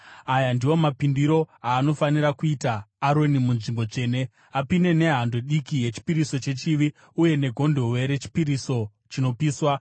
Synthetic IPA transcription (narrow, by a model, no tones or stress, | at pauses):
ajandiwo̞mapindiɾo̞aːno̞faniɾakuitaːɾo̞nimunʐimbo̞t͡ʂe̞ːne̞ | apine̞ne̞ɦando̞ɗikije̞t͡ʃi̥piɾiso̞t͡ʃe̞t͡ʃiʋi | uje̞ne̞ɡʱo̞ndo̞we̞ɾe̞t͡ʃi̥piɾiso̞ | t͡ʃino̞piːswa